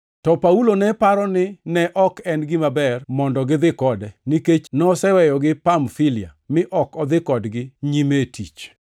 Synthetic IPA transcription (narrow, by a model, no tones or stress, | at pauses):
tɔpaulonɛpaɾɔnɪnɛʔɔkɛnɡɪmabɛrmɔndɔɡɪd̪ɪkɔdɛniket͡ʃnɔsɛwɛjɔɡɪpamfɪlɪamɪʔɔkɔd̪ɪkɔdɡɪɲimetʰit͡ʃ